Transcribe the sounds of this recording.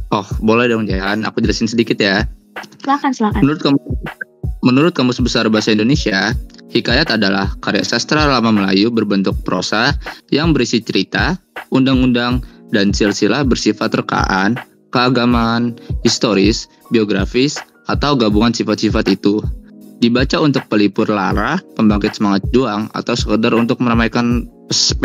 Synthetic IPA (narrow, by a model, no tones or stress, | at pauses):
ʔɔhbolɛhdŋd͡ʒalana̰kud͡ʒəlasɪnsədikɪt̪ja | slakanslakamənuɾʊt̪̚kam | mənuɾʊt̪̚kamʊsbəsarbaɦasaindonesiahikajat̪adala̰hkaɾija̰sast̪ɾalamaməla̰jubərbənt̪ʊk̚pəɾo̰sajaŋbəɾisit͡ʃəɾit̪aundaŋundaŋdansɪlsilahbərsifat̪rəka̰ʔan | kəaɡamaːnhist̪oɾɪs | bioɡɾafɪs | at̪awɡabuŋansifat̪̚sifat̪it̪udibat͡ʃaunt̪ʊk̚pəlipʊrla̰ɾahpəmbaŋkɪt̪səmaŋat̪̚d͡ʒuaŋa̰t̪awsə̥kədarunt̪ʊk̚məɾamajkanpəsp